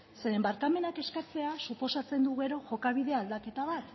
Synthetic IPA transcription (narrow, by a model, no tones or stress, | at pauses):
se̞ɾe̞mbaɾkame̞nake̞skat͡se̞asupo̞sat͡se̞nd̪uɣe̞ɾo̞ʝo̞kaβiðe̞ald̪ake̞t̪aβ̞at̪